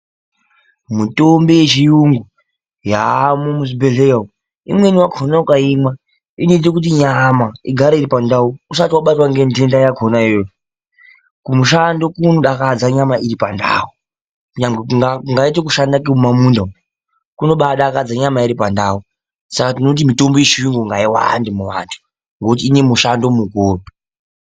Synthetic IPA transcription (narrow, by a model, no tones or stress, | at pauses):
mutombejet͡ʃijuŋɡu | jamumuzibeɮeo | ḭmweniwaɡʰʱonaukaimwa | inetekut̬iɲamaiɡʱaɾaiɾipandauusatiwaɓatwaŋɡendendajakʰonaiojo | kumuʃando̞kunoɗakad͡zaɲamaiɾipanda̰u | ɲaŋɡeŋɡait̬ekuʃandakemumamunda | kuno̞ɓaɗakad͡zaɲamaiɾipandau | sakatino̞t̬imito̞mbojeʃiŋɡuŋɡaiwa̰ndimuʋa̰ntʰu̥ | ŋɡokutiːne̞muʃando̞mukoːri